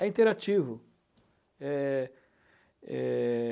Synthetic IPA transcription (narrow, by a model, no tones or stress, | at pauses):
ɛĩt̪eɾat͡ʃivʊ | ɛ | ɛ̰